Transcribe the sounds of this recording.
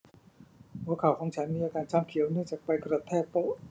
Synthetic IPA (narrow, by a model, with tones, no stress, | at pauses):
hu˧˦˥əkʰa˨˩wkʰɔː˩˦ŋt͡ɕʰa˦˥nmiː˧ʔaː˧kaː˧nt͡ɕʰaː˧˩mkʰi˨˩˦əwnɯ˥˩əŋt͡ɕaː˨˩k̚pa˧jkɾo˨˩t̪ʰːɛː˥˩k̚p̪o˧˥˩ʔ